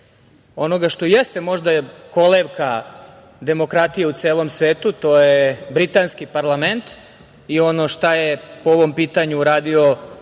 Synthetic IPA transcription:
o̞no̞ɡaʃt̪o̞jest̪emo̞ʒd̪ajeko̞leʋka | d̪e̞mo̞kɾat̪ijeut̪seːlo̞msʋe̞ːt̪ut̪o̞jebɾit̪anskipaɾlˠame̞nt̪ | io̞no̞ʃt̪ajepooʋo̞mpiːt̪aɲuːɾaːd̪io̞

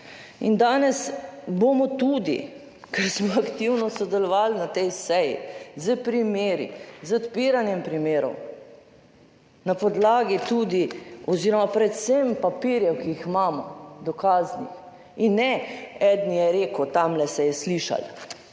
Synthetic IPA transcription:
ind̪aːnɛsbomɔt̪ud̪ḭ | kɛɾsmɔakt̪iwnɔsɔd̪ɛlɔʋaːlnat̪ɛjsɛjḭzəpɾimeːɾḭzət̪piɾanjɛmpɾimeːɾɔ̰w | napɔd̪laːɡit̪uːd̪iɔziːɾɔmapɾɛt̪sempapiːɾjɛwkijixmaːmɔd̪ɔkaːznḭx | inːɛɛd̪nijɛɾeːkut̪amlɛsɛjɛsliːʃa̰l

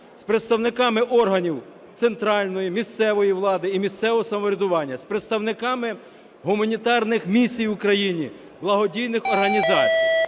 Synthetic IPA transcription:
spɾet̪st̪ɐwnɪkɑmɪʔɔrɦɐnʲiw | t̪sent̪ɾɑlʲnɔjimʲist̪sɛʋɔjiʋlˠɑd̪ɪimʲist̪sɛʋɔɔsɐmɔɾʲɛd̪ʊʋɑnʲːɐspɾet̪st̪ɐwnɪkɑmɪ | ɦʊmɐnʲit̪ɑrnɪxmʲisʲijwʊkɾɐjinʲi | blˠɐɦɔdʲijnɪxɔrɦɐnʲizɑt͡sʲij

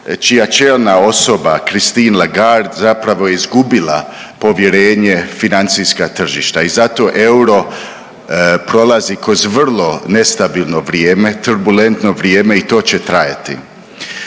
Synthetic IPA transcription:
t͡ʃijat͡ʃeːlnao̞so̞bakɾist̪iːnlaɡaɾd̪zapɾaʋo̞jeizɡubila̰ | po̞ʋje̞ɾe̞ːɲe̞finant̪siskat̪r̩ʒiʃt̪aizat̪o̞ʔewɾo̞ | pɾo̞lˠazikɾo̞zʋr̩lˠo̞ne̞st̪abiːlˠno̞ʋɾjeːmet̪urbule̞nt̪no̞ʋɾjeːme̞it̪o̞ːt͡ɕet̪ɾaja̰t̪ḭ

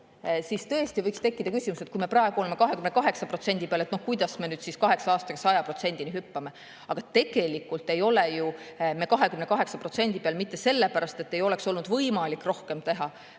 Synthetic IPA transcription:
sist̪ɤ̞est̪ivɤjkst̪e̞kːid̪̥ɑkysʲimuset̪kuijme̞prɑe̞ɡ̥uoleme̞kɑɦe̞kymnekɑɦe̞ksɑpro̞t̪se̞nʲd̪ipeɑlet̪nohkujd̪̥ɑsmenyːd̪siskɑɦe̞ksɑɑːst̪ɑkɑsɑjɑpro̞t̪se̞nʲd̪̥iniɦypːɑme̞ | ɑɡ̥ɑt̪e̞ɡ̥e̞likːˑult̪ːˑe̞jo̞lejumekɑɦe̞kymne̞kɑɦe̞ksɑpro̞t̪se̞nʲd̪̥ipeɑlmit̪ːe̞se̞lːepæɾɑst̪e̞t̪ːe̞jo̞lekso̞lnud̪̥vɤjmɑlikːˑro̞hke̞mt̪e̞ɦɑ

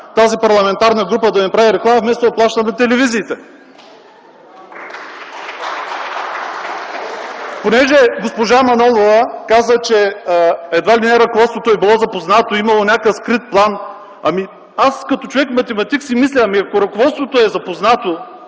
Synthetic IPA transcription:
t̪azipɐɾlˠɐmɛnt̪aɾnəɡɾupəd̪ɐnɐpɾaviɾɛklˠamɐfmɛst̪od̪ɐplˠaʃt̪əmɛt̪ɛlɛviziːt̪ɛ | ponɛʒɛɡospoʒamɐnɔlˠovɐkazət͡ʃɛ | ɛd̪valʲinɛɾɐkovɔt̪st̪vot̪oɛbilˠɔzɐpoznat̪oimɐlˠonʲakəfskɾit̪̚plˠan | ɐmi | askɐt̪ot͡ʃovɛkmɐt̪ɛmɐt̪iksimislʲɛɐmiɐkoɾɐkovɔt̪st̪vot̪oɛzɐpoznat̪o

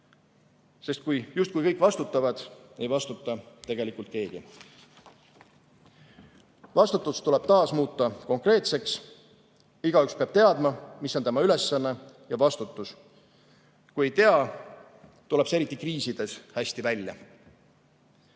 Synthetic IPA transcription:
se̞st̪̚kujjust̪̚kujkɤjkːˑvɑst̪ut̪ːˑɑvɑd̪̥e̞jvɑst̪ut̪ːˑɑt̪e̞ɡ̥e̞likːˑult̪̚ke̞ːɡ̥ḭ | vɑst̪ut̪ːˑust̪ule̞b̥t̪ɑːsmuːt̪ˑːɑko̞ŋkre̞ːt̪se̞ks | iɡ̥ɑykspe̞ɑb̥t̪e̞ɑd̪mɑmisːont̪emɑyle̞sːɑnːe | jɑvɑst̪ut̪ːˑus | kuje̞jt̪eɑ | t̪ule̞b̥seɾit̪ˑːikriːsid̪̥e̞shæsʲt̪ivælʲjɑ̰

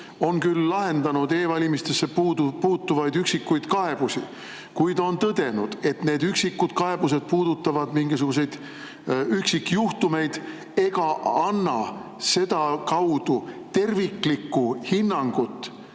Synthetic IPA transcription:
o̞nkylːɑɦe̞nd̪ɑnud̪e̞ːvɑlʲimist̪esːepuːt̪ːuvɑjd̪yksikːujd̪̥kɑe̞b̥usi | kujd̪o̞nt̪ɤd̪̥e̞nud̪̥e̞t̪ne̞ːd̪yksikːud̪̥kɑe̞b̥us̬e̞d̪̥̚puːd̪̥ut̪ːˑɑvɑd̪̥miŋɡisuɡ̥us̬e̞jd̪̥ | yksikːjuht̪ume̞jd̪̥ | e̞ɡ̥ɑɑnːɑ | se̞d̪̥ɑkɑwd̪̥ut̪e̞rvikˑlikːuhinːɑŋɡ̥ut̪ːˑ

